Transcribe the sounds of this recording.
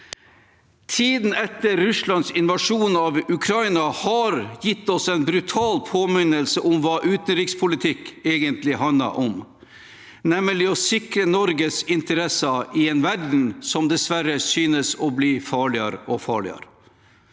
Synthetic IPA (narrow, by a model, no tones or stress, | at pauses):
t̪ʰiːd̪n̩ɛt̪ːəɾːʉslɑnsɪnʋɑʂuːnɑʋʉkʰɾɑɪnɑhɑɾjɪt̪ːɔsɛnbɾʉt̪ʰɑːlpʰoːmɪnəlsəʔɔmʋɑːʔʉːt̪nɾɪkspʰʊlɪt̪ʰɪkeːɡənt̪lɪhɑnlɑ̰ʔɔm | nɛməlɪɔsɪkɾənɔɾɡəsɪnt̪əɾɛsəʔɪɛnʋæɖɳ̩sɔmd̪ɛsʋæɾəsyːnəsɔbliːfɑːɭɪə̰ɾɔfɑ̰ːɭɪ̰ɑ̰ɾ